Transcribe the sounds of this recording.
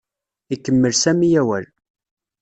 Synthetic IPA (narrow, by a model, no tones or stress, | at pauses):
ikːəmːəlsæmijæwæl